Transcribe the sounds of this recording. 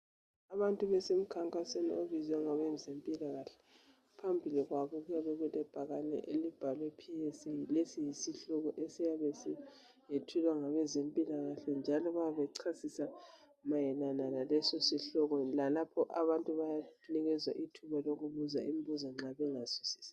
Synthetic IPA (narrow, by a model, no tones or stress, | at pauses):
aβantʼuβɛsem̩kʰaŋkʼasenḭoβizɛŋaβɛzempʼilaɣaɬɛ̥ | pʰambʱiliɣwaβɔɣujaβɛɣutʼɛb̥ʱaɣanɛ̰ʔelib̥ʱalwepʰijesilesijisiɬɔɣɔʔesijaβɛsi | jetʰulwaŋaβɛzempʼilaɣaɬɛnd͡ʒʱalɔβajaβɛǀʰasisa | majɛnananalɛsosiɬɔɣɔlalapʰɔʔaβantʼuβajaniɣɛzwaʔitʰuβaloɣuβuzaʔim̩buzɔŋ͡ǁaβɛŋasu̥si̥ːsḁ